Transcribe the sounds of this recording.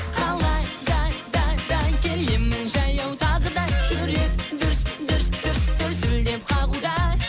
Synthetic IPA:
qʰɑlˠɑjd̪ɑd̪ɑd̪ɑkʲʰe̞lɪmnɪŋʒɑjɑwt̪ʰɑʁəd̪ɑkʰɵɾe̞k̚d̪ʏɾsd̪ʏɾsd̪ʏɾst̪ʏɾsɪld̪e̞p̚qʰɑʁud̪ɑ

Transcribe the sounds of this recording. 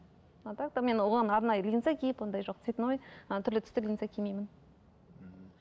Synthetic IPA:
ɑt̪ɑk̚t̪ame̞nwoʁɑnɑɾnɑjəlʲinsɑkʲʰejɪpwo̞nd̪ɑjʒo̞q̚d̪ɪ̥set̪ɪnwo̞jət̪ʰʏɾlɪt̪ʰʏ̥st̪ɪlʲijnsɑkʲʰemejmɪn

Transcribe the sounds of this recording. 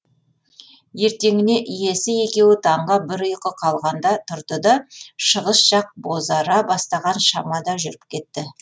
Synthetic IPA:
je̞ɾt̪e̞ŋɪne̞ʔije̞sɪje̞kʲe̞wɪt̪ʰɑɴʁɑbɪɾəjqəqʰɑlˠʁɑnd̪ɑt̪ʰʊɾt̪əd̪ɑʃəʁəsʒɑq̚bo̞zɑɾɑbɑst̪ɑʁɑnʃɑmɑd̪ɑʒʏɾɪpkʲʰe̞t̪ːɪ

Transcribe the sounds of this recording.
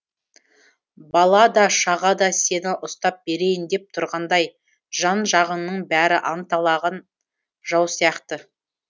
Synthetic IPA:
bɑlˠɑd̪ɑʃɑʁɑd̪ɑse̞nɪʔʊst̪ɑp̚be̞ɾe̞jɪnd̪e̞p̚t̪ʰʊɾʁɑnd̪ɑj | ʒɑnʒɑʁənːəɴbæɾɪʔɑnt̪ɑlˠɑʁɑn | ʒɑwsijɑqt̪ə

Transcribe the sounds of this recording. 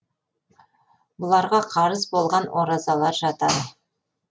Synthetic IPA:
bʊlˠɑɾʁɑqʰɑɾəzbo̞lˠʁɑnwʔoɾɑzɑlˠɑɾʒɑt̪ɑd̪ə

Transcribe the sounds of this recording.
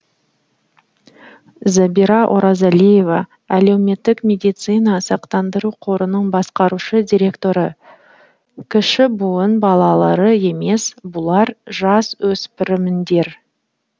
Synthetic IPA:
zabiɾɑʔo̰ɾɑzalʲije̞vɑ | æle̞wme̞t̪ːɪkmʲe̞d̪ijt̪sɨjnɑsɑqt̪ɑnd̪əɾuqʰo̞ɾənəɴbɑsqɑɾuʃəd̪ʲiɾʲe̞kt̪o̞ɾə | kʲʰɪʃɪbʊənbɑlˠɑlˠɑɾəe̞me̞sbʊlˠɑɾʒɑswɵspɪɾɪmɪnd̪e̞ɾ

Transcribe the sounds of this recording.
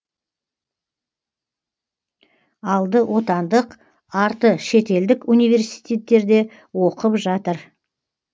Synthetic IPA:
ɑlˠd̪əwʔo̞t̪ɑnd̪əq | ɑɾt̪əʃe̞t̪e̞ld̪ɪkunijve̞ɾsi̥jt̪ʲe̞t̪ːe̞ɾd̪e̞ | wo̞qəpʒɑt̪əɾ

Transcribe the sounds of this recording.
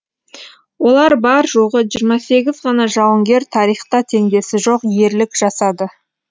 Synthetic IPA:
wo̞lˠɑɾbɑɾʒoʁəʒijəɾmɑse̞ɡʲɪzʁɑnɑʒɑwəŋɡʲe̞ɾt̪ʰɑɾijχt̪ɑt̪ʰe̞ŋd̪e̞sɪʒo̞qje̞ɾlɪkʒ̥ɑsɑd̪ə

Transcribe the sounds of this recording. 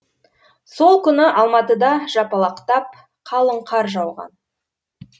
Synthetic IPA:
so̞lˠkʲʏnɪʔɑlˠmɑt̪əd̪ɑʒɑpɑlˠɑqt̪ɑp̚ | qʰɑlˠəɴqʰɑɾʒɑwʁɑ̰n

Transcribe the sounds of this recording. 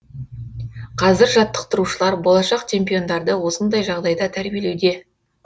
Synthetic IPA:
qʰɑzɪɾʒɑt̪ːə̥qt̪əɾuʃəlˠɑɾbo̞lˠɑʃɑqt͡ʃʰe̞mpijo̞nd̪ɑɾd̪əwo̞sənd̪ɑjʒɑʁd̪ɑjd̪ɑt̪ʰæɾbije̞le̞wd̪e̞

